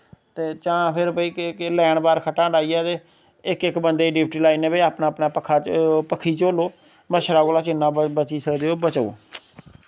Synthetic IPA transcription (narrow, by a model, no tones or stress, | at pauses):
t̪eːt͡ʃãːpʰɪɾbəiːklɛːɳbaːɾkʰəʈãːɖaːiːaːt̪eː | ɪkɪkbənd̪eːɖɪp̚ʰʈiːlaːiːnẽːbəiaːpnaːəpnaːpəkʰːaːt͡ʃpəkʰːiːt͡ʃoːloː | məʃɾaːkoːlaːt͡ʃɪnːãːbət͡ʃiːsəkd̪eːoːbət͡ʃːo̰ː